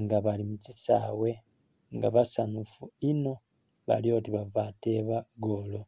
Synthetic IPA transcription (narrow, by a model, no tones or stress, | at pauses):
ŋɡaβalimucisa̰we̞ | ŋɡa̰βasanufuino̞ | βa̰ljo̞ːtiβavaːte̞βaɡo̞lo